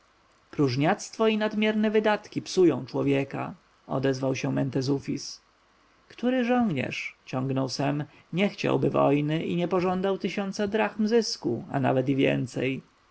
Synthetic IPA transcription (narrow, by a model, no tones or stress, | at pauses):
pɾuʐɲat̪st̪fɔinad̪mʲjɛɾnɛvɘd̪at̪kʲipsujɔ̰̃w̃t͡ʂwɔvʲjɛka̰ | ɔ̰d̪ɛzvawɕɛmɛnt̪ɛzufʲis | kt̪uɾɘʐɔ̃ŋɡɲɛ̰ʂt͡ɕɔ̃ŋɡnɔwsɛm | ɲɛxt͡ɕa̰wbɘvɔ̰jnɘʔiɲɛpɔʐɔnd̪awt̪ɘɕɔnt̪sad̪ɾaxmzɘskua̰na̰vɛt̪ivʲjɛ̰nt̪sɛj